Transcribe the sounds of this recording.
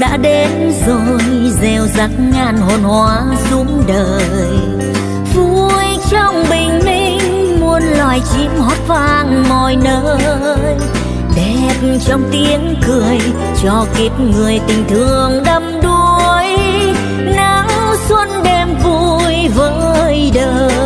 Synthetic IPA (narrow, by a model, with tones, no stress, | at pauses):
ɗa̰ː˧˥ɗe˨˦nzo˧˨˩jzɛ˨˩wza˨˦˥k̚ŋaː˧˩nɦo˨˩nhwaː˨˦ | zu˨˧˦əmɗəː˨˩ | j | vu˧˩jt͡ɕɔ˧wŋ͡mɓï˨˩ŋ̟mi˧ŋŋ̟mu˧ənlwaː˨˩jt͡ɕi˧˦əmhɔ˨˦˥t̚vaː˧˩nmɔ˨˩jnəː˧˦ | j | ɗe˧˩t̚t͡ɕɔ˧wŋ͡mt̪i˨˦əŋkɨ˨˩əj | t͡ɕɔ˧˩ki˨˩p̚ŋɨ˨˩əjt̪ï˨˩ŋ̟t̪ʰɨ˨˩əŋɗə˧mɗu˧j | na˨˦ŋswə˧nɗɛ˧mvu˧˩jvəː˦jɗəː˧˨